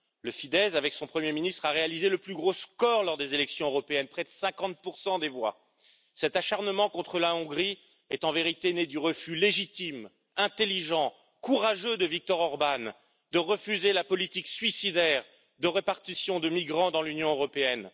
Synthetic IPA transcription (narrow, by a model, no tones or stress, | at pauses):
ləfid̪ɛzavɛksɔ̃pχəmjeminist̪χaʁealizeləplyɡʁoskɔʁlɔʁd̪ezelɛksjɔ̃øʁɔpeɛnpχɛd̪əsɛ̃kɑ̃t̪̚puʁsɑ̃d̪evwa̰ | sɛt̪aʃaʁnəmɑ̃kɔ̃t̪χəlaɔ̃ɡʁi | ɛt̪ɑ̃veʁit̪ened̪yʁəfyleʒit̪im | ɛ̃t̪eliʒɑ̃ | kuʁaʒød̪əvik̚t̪ɔʁɔʁban | d̪əʁəfyzelapɔlit̪iksɥisid̪ɛʁ | d̪əʁepaʁt̪isjɔ̃d̪əmiɡʁɑ̃d̪ɑ̃lynjɔ̃øʁɔpeɛn